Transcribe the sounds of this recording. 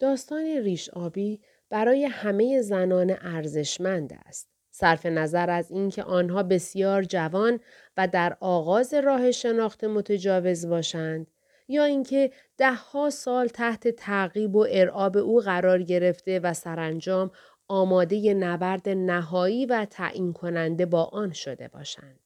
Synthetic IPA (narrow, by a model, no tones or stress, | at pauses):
d̪̥ɒːst̪ɒːneriːʃɒːbiː | b̥æɾɒːje̞hæme̞je̞zænɒːneʔæɾze̞ʃmænd̪æ̰st̪̚ | sæɾfe̞næzæɾæziːncʰe̞̰ʔɒːnɦɒːbe̞sjɒːɾd͡ʒævɒːn | væd̪æɾʔɒːɣɒːze̞ɾɒːhe̞ʃe̞nɒːxt̪ʰe̞mo̞t̪ʰed͡ʒɒːve̞zbɒːʃænd̪̥ | jɒːiŋcʰe̞ | d̪̥æhːɒːsɒːlt̪ʰæht̪ʰe̞t̪ʰæɣiːbo̞ʔe̞ɾʔɒːbe̞ʔuːɣæɾɒːɾɟe̞ɾe̞ft̪e̞væsæɾænd͡ʒɒːm | ɒːmɒːd̪e̞je̞nævæɾd̪e̞næɦɒːiːvæt̪ʰæ̰ːʔiːnkʰo̞nænd̪e̞bɒːʔɒːnʃo̞d̪e̞̰bɒ̰ːʃæ̰nd̪̥